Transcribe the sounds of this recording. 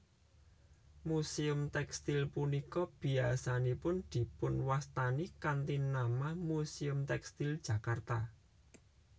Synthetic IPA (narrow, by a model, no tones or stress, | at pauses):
musiʊmt̪ɛkst̪ilpunikɔb̥i̤asanipʊnd̪̥i̤pʊnwast̪anikant̪inamahmusiʊmt̪ɛkst̪ild̥ʒ̥ä̤kart̪a